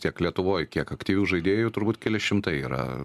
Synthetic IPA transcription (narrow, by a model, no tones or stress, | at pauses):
t̪ʲiɛklʲiɛt̪ʊʋoːjkʲiɛkɐkt̪ʲiːʋʲuːʒɐɪd̪ʲeːjʊt̪ʊɾbuːt̪ʲkʲɛlʲɪʃʲɪmt̪ɐɪiːɾɐ̰